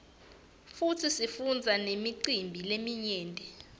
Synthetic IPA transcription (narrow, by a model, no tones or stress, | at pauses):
futʰisifund͡zʱanemiǀimbʱilemiɲɛːndʼʱɛ